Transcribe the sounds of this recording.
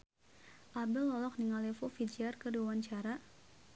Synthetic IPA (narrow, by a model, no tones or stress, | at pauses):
ʔabɪlːɔlɔk̚niŋalefufid͡ʒiarkərdiwawaɲt͡ʃaɾa